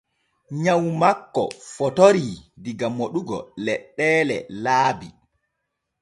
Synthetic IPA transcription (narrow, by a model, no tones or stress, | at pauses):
ɲawmakːɔ̰fɔtoɾidiɡamoɗuɡɔ̰lɛɗːɛːlɛ̰laːbi